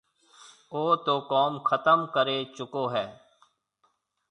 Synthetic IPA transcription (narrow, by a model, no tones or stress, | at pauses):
oːt̪oːkɔːmkʰət̪əmkəɾeːt͡ʃʊkoːɦɛː